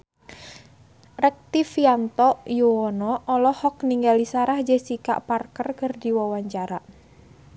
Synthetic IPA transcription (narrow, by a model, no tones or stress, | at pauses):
rɛk̚t̪ifjant̪ɔʔjuwɔnɔʔɔlɔhɔk̚niŋɡalisaɾahd͡ʒesika̰ʔparkərkərdiwawaɲt͡ʃaɾaʔ